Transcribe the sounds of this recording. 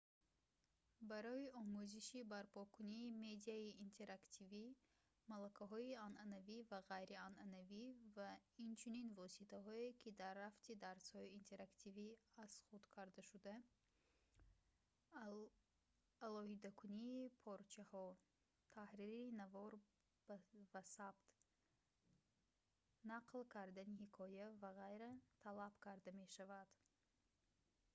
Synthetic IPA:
baɾɔiʔɔmuziʃibaɾpɔkʰuniːme̞d̪iaiːnt̪ʰe̞ɾakt̪ʰivi | malakʰaɦɔiananavivaʁajɾiananavivaint͡ʃʰuninvɔsit̪ʰaɦɔekʰid̪arːaft̪id̪aɾshɔiːnt̪ʰe̞ɾakt̪ʰiviaz̥χud̪kʰaɾd̪aʃud̪a | lɔhid̪akʰuniːpʰɔɾt͡ʃʰahɔ | t̪ʰahɾiɾinavɔɾ | b̥vasabt̪ | naqʰlkʰaɾd̪anihikʰɔjavaʁajɾat̪ʰalab̥kʰaɾd̪ame̞ʃavad̪̥

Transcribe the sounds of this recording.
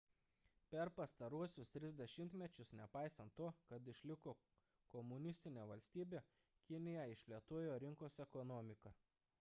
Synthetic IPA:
pʲɛɾpɐst̪ɐɾuɔsʲʊst̪ʲɾʲɪzd̪ʲɛʃʲɪmʲt̪ʲmʲɛt͡ʃʲʊsnʲɛpɑˑɪsɐnt̪ːuɔkɐt̪ɪʃʲlʲɪkoː | kɔmʊnʲɪsʲt̪ʲɪnʲeːʋɐlʲsʲt̪ʲiːbʲeː | kʲɪnʲɪjɛɪʃʲlʲiɛt̪uɔjoːɾʲɪŋkoːsɛkɔnɔːmʲɪkɐ

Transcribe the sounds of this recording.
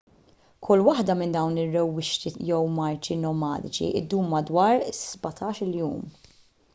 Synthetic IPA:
kʰʊlːwɐħd̪ɐmɪnd̪ɐwnɪrːɛwːɪʃt̪ijɛwmɐɾt͡ʃinɔmɐ̰ːd̪ɪt͡ʃḭʔɪ̰d̪ːuːmːɐd̪wɐːɾsbɐt̪ʰɐːʃɪljṵːm

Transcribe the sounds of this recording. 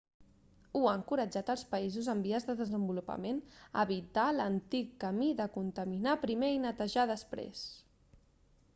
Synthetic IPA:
uaŋkuɾəd͡ʒat̪əlˠspəizuzəmbiəzðəðəzəmbulupə̰menə̰βit̪alənt̪ikːəmiðəkunt̪əminapɾimeinət̪əʒaðəspɾḛs

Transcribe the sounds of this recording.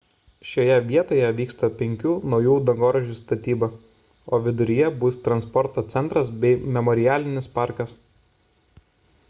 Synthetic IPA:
ʃʲoːjɛʋʲiɛt̪oːjɛʋʲiːkst̪ɐpʲɛŋʲkʲuːnɒʊjuːd̪ɐŋɡoːɾɐʒʲust̪ɐt̪ʲiːbɐ | oːʋʲɪd̪ʊɾʲɪjɛbʊst̪ɾɐnspɔɾt̪oːt̪sʲɛnt̪ɾɐsbʲɛɪmʲɛmɔɾʲɪjæːlʲɪnʲɪspɑˑɾkɐs

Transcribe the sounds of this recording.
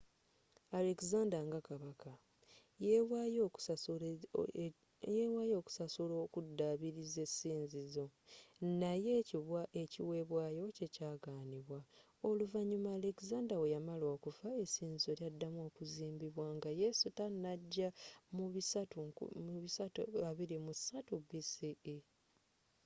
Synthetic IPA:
ale̞kzaːndaŋɡakaβaka | wajo | jewaːjo̞ːku̥sasuloːkudːaβiɾize̞sːiːnzizo̞najeaeciwe̞ːβwaːjo̞ce̞caːɡaːniβwa | o̞luvaɲːumaːle̞kizaːndawejamalo̞ːkuvae̞siːnzizo̞ljadːamo̞ːkuziːmbiβwaŋɡaje̞sutanaɟːamuβisatumuβisataβiɾimusatubisii

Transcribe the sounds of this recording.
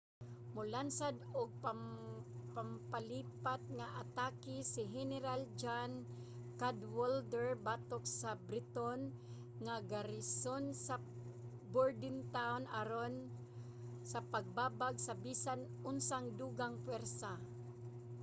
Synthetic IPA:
mʊlansad̪ʊɡ̚pa | pampaliːpat̪̚ŋaʔat̪aːkɪsɪɦɛnɛɾald͡ʒan | kad̪wold̪ɛɹbaːt̪oksabɾɪt̪on | ŋaɡaɾɪsonsa | boɹd̪ɪnt̪awnʔaɾon | sɐpaɡ̚baːbaɡsɐbiːsan | ʔʊnsaŋd̪uːɡaŋpwɛɾsa

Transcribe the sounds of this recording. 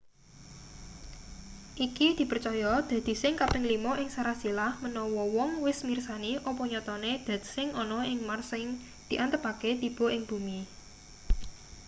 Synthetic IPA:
ʔikid̪̥i̤pərt͡ʃɔjɔd̪̥a̤d̪̥i̤sɪŋkapɪŋlimɔʔɪŋsaɾasilahmənɔwɔwɔŋwɪsmirsaniʔɔpɔɲɔt̪ɔned̪̥a̤d̪̥isɪŋɔnɔɪŋmarsɪŋ | d̪̥i̤ʔant̪əpaket̪ib̥ɔ̤ʔɪŋb̥ṳmi

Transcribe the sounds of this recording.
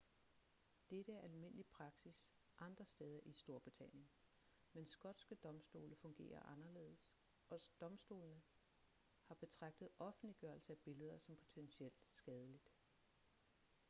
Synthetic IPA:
d̥eɾəæɐʔælme̝n̰əlipʰʁɑ̈ɡ̥sis | ʔɑ̈nd̥ʁɐsd̥eːð̞ˠɐʔisd̥o̝ɐb̥ʁit͡sʰæn̰jən | mensɡ̥ɒ̽d̥sɡ̥əd̥ɒ̽msd̥o̝ːləfɔ̽ŋɡ̥e̝̰ːɐ̰ʔɑ̈nɐle̝̰ːð̰ˠəs | ʔɒ̽d̥ɒ̽msd̥o̝̰ːlnə | hɑ̈b̥e̝t͡sʰʁɑ̈ɡ̥̚d̥ð̩ˠɒ̽fn̩dliɡ̥ɶɐlsəæb̥e̝ləð̞ˠɐsɒ̽mpʰo̝t͡sʰensiel̰d̥sɡ̥ɛːð̞ˠəlid̥

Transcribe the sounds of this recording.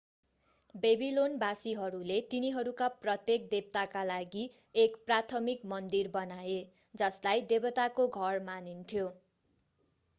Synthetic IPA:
bebilonbasiɦʌɾulet̪iniɦʌɾukaprʌt̪jek̚d̪eb̚t̪akalaɡi | ekprat̪ʰʌmikmʌnd̪irbʌnaje | d͡zʌslajd̪ebʌt̪akoɡʱʌrmanint̪ʰjo

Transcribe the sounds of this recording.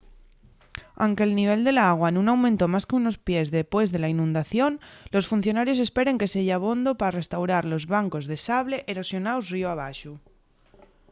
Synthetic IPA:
a̰wŋke̞ːlniβ̞e̞ld̪e̞laaɣ̞waenũnawmẽnt̪o̞maskeuno̞spje̞zðepwe̞zðe̞lainũnd̪aθjo̞nlo̞sfunθjo̞naɾjose̞spe̞ɾe̞ŋke̞seʝaaβ̞o̞nd̪o̞paɾare̞st̪awɾaɾlo̞zβaŋko̞zðe̞saβle̞ʔeɾo̞sjo̞naozrioaβ̞aʃu

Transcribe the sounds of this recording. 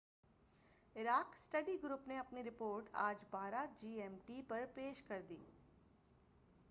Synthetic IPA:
ɪɾaːksʈɐɖiɡɾuːpneɐpniɾɪpoːɾʈaːd͡ʒbaːɾad͡ʒiːɛːmʈipɐɾpeːʃkɐɾd̪iː

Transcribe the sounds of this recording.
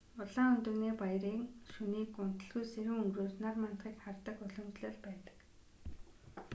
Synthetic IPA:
ʊɮaːŋʊnt̪ɵ̆rniːpajɾiːŋʃuniːkʊn̥t̪ə̆ɮɣujseɾɘ̆ŋɵŋɡɾuːsnarman̥t̪χiːkχart̪ə̆kʊɮɵ̆mt͡ɕɮɘ̆ːɮpæːt̪ə̥̆k

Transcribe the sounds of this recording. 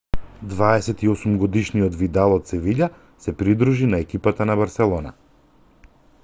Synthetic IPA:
d̪vaɛsɛt̪iɔsumɡɔd̪iʃnijɔt̪vid̪alˠɔt̪̚sɛviʎa | sɛpɾid̪ɾuʒinaɛkipat̪anaβaɾsɛlˠɔna̰

